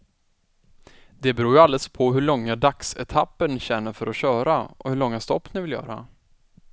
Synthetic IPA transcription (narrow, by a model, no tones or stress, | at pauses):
d̪ɛbɛɾuːjɵald̪ɛspʰɔɦɵɭɔŋːad̪aksɛt̪ʰapːəɳɕɛnːəɾfœɾʔɔɕœːɾaʔɔ̰hɵɭɔŋːast̪ɔpːnɪvɪljœ̰ːɾa̰